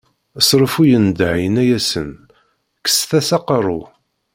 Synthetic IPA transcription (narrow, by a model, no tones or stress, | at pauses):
əsˤɾˤəfujənd̪ʕjənæjæsə̰n | kːə̥sθæsɑqərˤːu